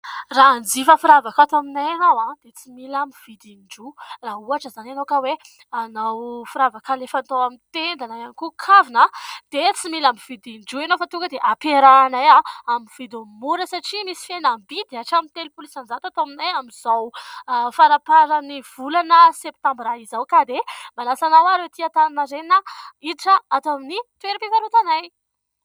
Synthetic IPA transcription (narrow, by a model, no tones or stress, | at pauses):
rand͡zifəfiɾavakat̪aminajanawãd̪̥et͡similamiv̥id̪inɖ͡ʐulauaʈ͡ʂəzananowkəwe | anawfuɾavakalefant̪awamit̪end̪anaanikukʰavinad̪̥et͡similambiv̥id̪inɖ͡ʐuenofat̪uŋkəd̪eʔapeɾanajaamivid̪omuɾəsaʈ͡ʂimisi̥fenambid̪aʈ͡ʂamint̪elupulisand͡ʒat̪uat̪aminajamiz̥awfaɾapaɾəniv̥ulanəsep̚t̪ãmbɾaizawkad̪emalasanawaɾewt̪iat̪annaɾeninəid̪iʈ͡ʂəat̪aminit̪ueɾipikaɾut̪anaj